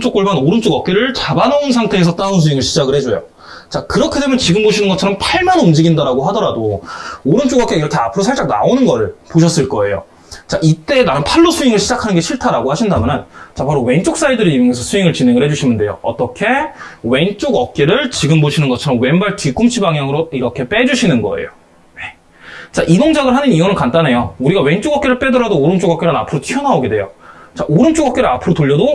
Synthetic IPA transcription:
t͡ɕ͈ok͈oɭmanoɾɯnt͡ɕ͈oɡʌk͈eɾɯɭt͡ɕabanounsʰaŋtʰe̞ːsʰʌt͈anons̬ʰuiŋɯɭɕʰid͡ʑaɡɯɭhe̞d͡ʑojo̰ | t͡ɕakɯɾʌkʰe̞de̞mjʌnt͡ɕiɡɯmboɕʰinɯnɡʌt͡ɕʰʌɾʌmpʰaɭmanumd͡ʑiɡindaɾaɡoɦadʌɾadooɾɯnt͡ɕ͈oɡʌk͈eiɾʌkʰe̞apʰɯɾosʰaɭt͡ɕ͈ak̚na̰onɯnɡʌɾɯɭpoɕ̬ʰʌs͈ɯɭk͈ʌe̞jo̰ | t͡ɕaʔit͈e̞danɯnpʰaɭːosʰuiŋɯɭɕʰid͡ʑakʰanɯnɡe̞ɕʰiɭtʰaɾaɡohaɕʰindamjʌnɯnt͡ɕapaɾowe̞nt͡ɕ͈ok̚s͈aidɯɾeuuŋesʰʌsʰuiŋɯɭt͡ɕineŋɯɭhe̞d͡ʑuɕʰimɯnde̞jo̰ʌ̰t͈ʌkʰe̞we̞nt͡ɕ͈oɡʌk̚k͈eɾɯɭt͡ɕiɡɯmboɕʰinɯnɡʌt͡ɕʰʌɾʌmwenbaɭtik͈umt͡ɕʰibaŋjaŋɯɾoiɾʌkʰe̞p͈e̞d͡ʑuɕʰinɯnɡʌ̰ḛjo | je | t͡ɕaʔidoŋd͡ʑaɡɯɭɦanɯniʌnɯɭkant͈anejouɾiɡawe̞nt͡ɕ͈oɡʌk̚k͈e̞ɾɯɭp͈e̞dɯɾadoːɾɯnt͡ɕ͈oɡʌk͈enɯna̰pʰɯɾotʰijʌnaoɡedwe̞jot͡ɕaʔoɾɯnt͡ɕ͈oɡʌk͈e̞ɾɯɾapʰɯɾotoʎːʌdo

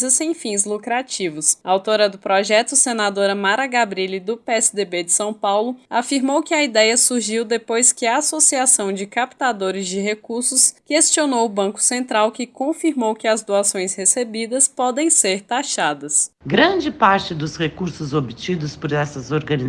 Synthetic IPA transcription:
zɐsẽj̃fĩzlukɾat͡ʃivʊsɐawt̪oɾɐd̪ʊpɾɔʒɛt̪ʊsenad̪oɾɐmaɾɐɡabɾilɪd̪ʊpeɛsɪd̪ebed͡ʒɪsɐ̃w̃pawlʊafiɾmowkɪɐid̪ɛjɐsuɾʒiwd̪epojskɪɐasosiasɐ̃w̃d͡ʒɪkapt̪ad̪oɾɪzd͡ʒɪɦekuɾsʊskest͡ʃionowʊbɐ̃kʊ̥sẽnt̪ɾawkɪkõfiɾmowkɪɐzd̪uasõj̃shesebid̪ɐspɔd̪ẽj̃seɾt̪aʃad̪ɐsɡɾɐ̃d͡ʒɪpaɾt͡ʃɪd̪ʊshekuɾsʊzobit͡ʃid̪ʊspʊɾɛsɐzoɾɡɐ̃ni

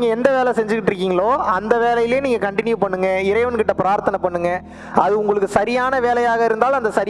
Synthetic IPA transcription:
ŋɡɐɛnd̪ɐʋeːlɛsɛɲd͡ʒɯkːɪʈːɪɾɯkːiːŋɡɐɭoːɐnd̪ɐʋeːlɐjɪleːniːŋɡɐkɐɳʈɪnjupɐɳːɯŋɡɐɪɾɐɪʋɐnkɪʈːɐpɪɾaːɾt̪ɐnɐpɐɳːɯŋɡɐ | ɐðɯʊŋɡɐɭɯkːɯsɐɾɪjaːnɐʋeːlɐjaːɣɐɪɾɯnd̪aːlɐnd̪ɐsɐɾɪ

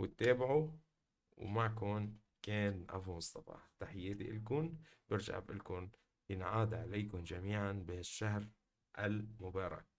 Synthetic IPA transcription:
wɪt̪ːeːbʕu | wmakoːn | keːnʔa̰fumʊsˤt̪ːɑfɑ̰ːħt̪aħɪjeːd̪iʔɪlkʊnb̥ɪɾd͡ʒa̰ʕbʔɪlkʊn | jɪnʕaːd̪ʕaleːkʊnd͡ʒamiːʕanbɪaʃːaɦɾ | ʔalmʊbɑːɾˤɑ̰k̚

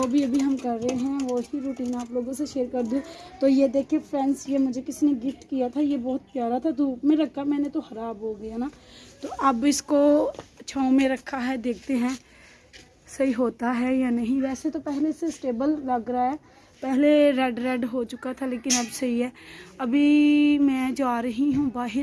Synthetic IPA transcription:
d͡ʒoːbʱiɐbʱiɦɐmkɐɾːəɦeɦɛ̃ʋoɦiɾuːʈiːnaːploːɡõseʃeːɾkɐɾd̪ũt̪oːjed̪eːkʰiepɾɛ̃ːnsjemʊd͡ʒʱekɪsineɡɪfʈkijat̪ʰajebɔːʊt̪̚pjaːɾat̪ʰad̪uːpmẽɾɐkʰːamɛ̃ːnet̪oxɐɾaːbɦoɡɐjanaːt̪oːʔɐbɪskot͡ʃʰaːmẽɾɐkʰːaɦɛd̪eːk̚ʰt̪eɦɛ̃ː | sɐɦiɦoːt̪aɦɛjanɐɦĩʋɛːset̪opɛɦlesesʈeːbəlːɐɡɾaɦɛː | pɛɦleɾɛːɖɾɛːɖɦot͡ʃʊkat̪ʰaleːkɪnɐbsɐɦiɦɛːɐbʱimɛ̃ːd͡ʒoaːɾəɦiɦũbaːɦɪɾ

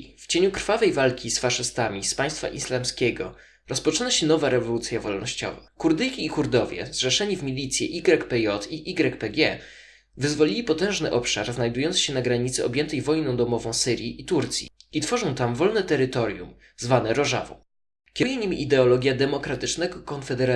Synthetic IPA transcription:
ft͡ɕeɲukɾ̥favɛjvalkʲisfaʂɘst̪amʲispaj̃st̪fa̰ʔislamskʲɛɡɔ | ɾɔspɔt͡ʂɘnaɕɛn̪ɔvaɾɛvɔlut̪sʲjavɔlnɔɕt͡ɕɔ̰vakuɾd̪ɘjkʲiːkuɾd̪ɔvʲjɛ̰zʐɛʂɛɲivmʲilʲit̪sʲjɛʔiɡɾɛkpɛjɔt̪iʔiɡɾɛkpɛɡʲɛ | vɘzvɔlʲilʲipɔt̪ɛ̃ʐnɘʔɔpʂa̰ɾznajd̪ujɔnt̪sɕɛnaɡɾaɲit̪sɘɔbʲjɛnt̪ɛjvɔjnɔ̃w̃d̪ɔmɔvɔ̃w̃sɘɾjiʔit̪uɾt̪sʲjḭit̪fɔʐɔ̃w̃t̪amvɔlnɛt̪ɛɾɘt̪ɔɾjṵm | zvanɛɾɔʐa̰vɔ̰ | kʲjɛɲimʲiʔid̪ɛɔlɔɡʲjad̪ɛmɔkɾat̪ɘt͡ʂnɛɡɔkɔnfɛd̪ɛɾa

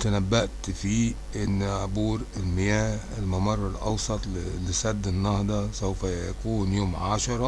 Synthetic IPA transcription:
t̪ænæbːæʔt̪fiː | ʔɪnːʕobuːɾɪlmɪjæːh | ɪlmɑmɑrˤːɑlʔɑ̰wsˤɑt̪ˤllɪsæd̪ːɪnːɑhd̪ˤɑsæwfæjæ̰kuːnjoːmʕaʃɑɾˤɑ

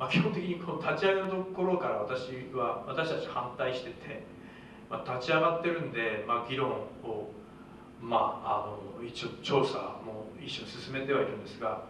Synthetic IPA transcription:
makʲihont̪ekʲiɲiko̞not̪ʰat͡ɕiaɡenot̪oko̞ɾo̞kaɾaβat̪aɕiβaβat̪aɕit̪at͡ɕihãnt̪aiɕi̥t̪e̞t̪ʰe̞ | mat̪at͡ɕiaɡat̪ːe̞ɾɯ̟̃nd̪e̞maɡʲiɾõ̞ŋo | ma̰ːno̞it͡ɕot͡ɕo̞ːsamo̞iɕːo̞ɲisɨsɨme̞t̪e̞β̞aiɾɯ̟̃nd̪e̞sɨɡa

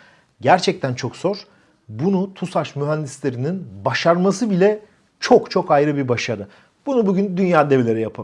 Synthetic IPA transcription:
ɟæɾt͡ʃʰɛc̚t̪ʰænt͡ʃʰo̞kz̥o̞ɾ̥ | bunut̪ʰusaʃmyɦænd̪islʲe̞ɾininbaʃaɾmasɯbilʲɛ | t͡ʃʰo̞kt͡ʃʰo̞kajɾɯbiɾbaʃaɾɯ | b̥unubuɟynd̪ynjaːd̪evelʲe̞ɾɛjapʰa

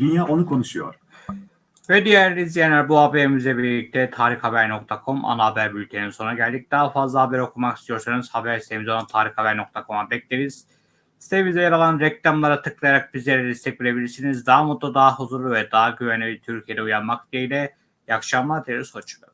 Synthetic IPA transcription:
d̪ynjaːʔonukʰo̞nuʃujo̰ɾ | vɛd̪ijæɾilʲizjɛnæɾbuhabeimizlʲɛbiɾlʲic̚t̪ʰɛt̪ʰaːɾixhabæɾno̞k̚t̪ʰakʰo̞mʔa̰naːbæɾbylʲcʰeninso̞nɾaɟælʲd̪ic̚d̪̥aɦafazlˠaɦabæɾo̞kʰumaki̥st̪ʰijo̞ɾsunuz̥habæɾist̪ʰeimizonat̪ʰaːɾixhabæɾno̞k̚t̪ʰakʰo̞mabɛclʲeɾiz̥ | ist̪ʰeimizɛjaɾalˠanɾɛclʲamlˠaɾat̪ʰɯklˠajaɾak̚bizlʲeɾɛd̪ist̪ʰɛcvilʲe̞bilʲiɾsinizd̪aɦamot̪ːˠad̪aɦahuzuɾlˠuvɛd̪aɦaɟyvænʲiit̪ʰyɾcʰijed̪ɛujanmak̚d̪iejlʲɛ | jakʃamˠad̪ijeɾiz̥hot͡ʃʰu̥ɯ

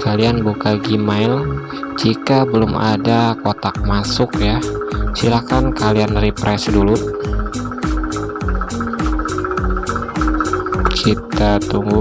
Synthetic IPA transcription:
kalianbukaɡimaɪl | d͡ʒikabəlʊmadakot̪ak̚masʊkjasilakankalianripɾʔɛsdulu | t͡ʃit̪at̪uŋɡʊ

